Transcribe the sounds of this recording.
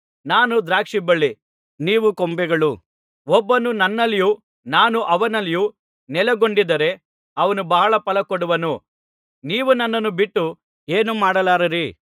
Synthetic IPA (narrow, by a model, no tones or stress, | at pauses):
naːnud̪ɾaːkʂibɐɭːi | niːʋukombɛɡɐɭu | ɔbːɐnunɐnːɐlːiju | naːnuʔɐʋɐnɐliju | nɛlɐɡoɳɖid̪ɐɾe̞ | ɐʋɐnubɐɦɐɭɐpɐlɐkoɽuʋɐnu | niːʋunɐnːɐnːubiʈːu | eːnumaːɽɐlaːɾɐɾi